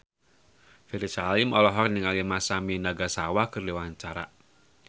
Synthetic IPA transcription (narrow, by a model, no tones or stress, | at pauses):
fiɾisalimɔlɔɦɔk̚niŋalimasaminaɡasawakɨrdiwaɲt͡ʃaɾa̰